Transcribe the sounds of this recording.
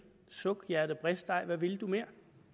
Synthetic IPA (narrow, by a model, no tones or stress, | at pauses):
sɔɡ̥jæɐd̥əb̥ʁɛsd̥d̥ɑ̈ɪʋæʋiləd̥ume̝ɐ̰